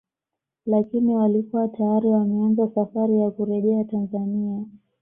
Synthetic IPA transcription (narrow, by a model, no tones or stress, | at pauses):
lakiniwalikuwatajaɾiwamɛanɡasafaɾijakuɾɛʄɛatanzania